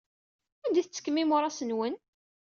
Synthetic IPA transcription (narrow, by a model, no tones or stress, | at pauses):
ænd̪iθət͡sːə̥kːəmːimʊɾˤɑsənwən